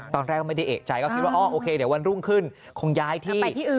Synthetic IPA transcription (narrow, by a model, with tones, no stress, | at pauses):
t̪ɔː˧nɾɛː˥˩kːɔ˥˩ma˥˩da˥˩ʔḛː˨˩k̚t͡ɕa˧jkɔː˥˩kʰi˦t̪̚waː˥ʔɔː˥˩ʔoː˧kʰeː˧di˨˩˦wa˧nɾu˥˩ŋkʰɯ˥˩n | kʰo˧ŋjaː˦˥jt̪ʰiː˧˥˩iː˥˩˨